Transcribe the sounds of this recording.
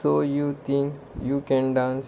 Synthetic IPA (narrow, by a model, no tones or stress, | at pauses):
oːjuːt̪ʰĩŋk | juːkɛ̃nɖãːns